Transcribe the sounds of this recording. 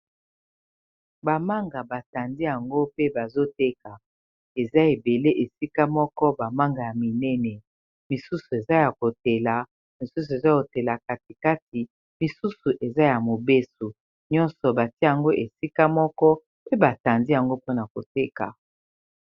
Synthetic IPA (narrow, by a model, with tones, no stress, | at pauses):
ba˨ma˦ŋɡa˨ba˨ta˨ndi˦ja˨ŋɡo˦pe˦ba˨zo˦te˦ka˨ | e˨za˦e˨be˨le˦ʔe˨si˦ka˦mɔ˦kɔ˦ba˨ma˦ŋɡa˨ja˨mi˨nɛ˦nɛ˨ | mi˨su˦su˨e˨za˦ja˨ko˨te˨la˨ | mi˨su˦s̬u˨e˨za˦ko˨te˨la˨ka˨ti˨ka˦ti˨ | mi˨su˦su˨ʔe˨za˦ja˨mo˨be˦su˨ | ɲɔ˦nsɔ˨ba˨ti˦˨a˨ŋɡo˦ʔe˨si˦ka˦mɔ˦kɔ˦ | pe˦ba˨ta˨ndi˦ja˨ŋɡo˦po˦na˨ko˨te˦ka̰˨